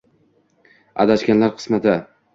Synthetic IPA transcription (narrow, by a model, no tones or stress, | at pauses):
a̰d̪aʃkʲanlaɾqʰɨ̥smat̪ɪ